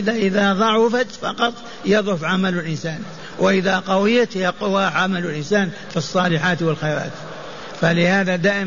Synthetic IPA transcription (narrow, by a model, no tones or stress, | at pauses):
ɪðaʔɪðaðˤɑʕʊfat̪fɑ̰qɑt̪ˤ | jɑðˤʕʊfʕamalɪlʔɪnsaːn | wʔɪʔɪðaqɑwɪjːat̪jɑqwaʕamalʊlʔɪnsaːn | fisˤːɑːlɪħaːt̪wɪlxajɾˤɑ̰ːt̪ | falɪhaːðad̪aːʔɪ